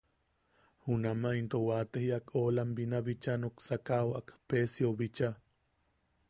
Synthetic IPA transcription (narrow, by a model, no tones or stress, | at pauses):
hunamaint̪owat̪ehiakolambinaβit͡ʃanuksakawʔakpesjoβit͡ʃa